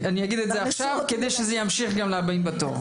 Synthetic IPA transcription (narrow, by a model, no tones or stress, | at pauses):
anijaɡid̪etzeaχʃavked̪ejʃezejamʃiχɡamleabaimbat̪o̰ʁ